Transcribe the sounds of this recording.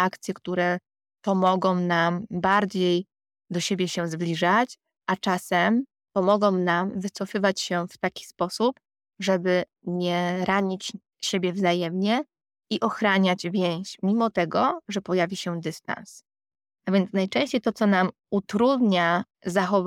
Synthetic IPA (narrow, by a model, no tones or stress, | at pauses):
akt̪sʲjɛkt̪uɾɛ | pɔmɔɡɔ̃w̃nambaɾd͡ʑej | d̪ɔɕebʲjɛɕɛzblʲiʐat͡ɕ | ʔat͡ʂasɛm | pɔmɔɡɔ̃w̃namvɘt̪sɔfɘvat͡ɕɕɛft̪akʲi̥spɔsup | ʐɛbɘ | ɲɛɾaɲit͡ɕ | ɕebʲjɛvzajɛmɲɛ | iʔɔxɾaɲad͡ʑvʲjẽɕmʲimɔt̪ɛɡɔʐɛpɔjavʲiɕɛd̪ɘst̪a̰ns | avʲjɛnt̪snajt͡ʂɛ̃ɕt͡ɕejt̪ɔt̪sɔnam | ut̪ɾud̪ɲa | zaxɔv